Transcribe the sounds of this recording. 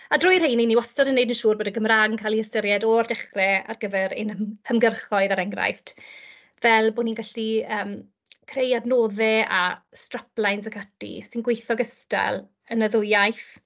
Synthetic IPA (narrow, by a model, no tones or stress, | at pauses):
adrʊːjr̥ejniniwɔstadənːejdənʃuːrboːdəɡəmraːɡŋkʰalˠihəstəɾjɛdɔrdɛχrɛa̰rɡəvɛɾḛnəmhəmɡərχɔɨðaɾɛŋɡra̰jftʰ | vɛlˠboːninɡaɬiəːm | kʰrejadnoːðɛa̰straplˠajnsəkʰatḭsɪnɡwejθɔɡəsta̰lˠ | ənəðʊjajθ